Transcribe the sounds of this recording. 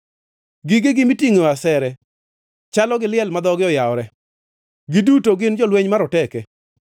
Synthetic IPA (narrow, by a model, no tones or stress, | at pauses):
ɡiɡeɡɪmitiŋoasɛɾɛ | t͡ʃalɔɡɪlɪɛlmad̪ɔɡɪɔjaɔɾɛ | ɡɪdutoɡɪnd͡ʒɔlweɲmaɾɔtɛkɛ